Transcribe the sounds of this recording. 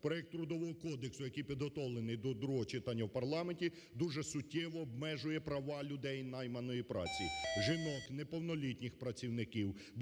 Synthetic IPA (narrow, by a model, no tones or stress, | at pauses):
pɾɔjɛk̚t̪ːɾʊd̪ɔʋɔɦɔkɔd̪eksʊjɐkijpʲid̪ɦɔt̪ɔwlˠenɪjd̪ɔd̪ɾuɦɔt͡ʃɪt̪ɑnʲːɐwpɐrlˠɑmenʲtʲi | d̪uʒɛsʊtʲːɛʋɔːbmɛʒʊjɛpɾɐʋɑlʲʊd̪ɛjnɑjmɐnɔjipɾɑ̰t͡sʲiʒɪnɔt̪nɛpɔwnɔlʲitʲnʲɪxpɾɐt͡sʲiwnɪkiwb